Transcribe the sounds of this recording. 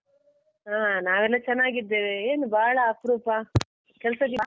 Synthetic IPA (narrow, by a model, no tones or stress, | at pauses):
aːnaːʋɛlːɐt͡ʃɛnːaːɡid̪eːʋeeːnubʱaːɭɐːpɾuːpa | kɛlsɐɡi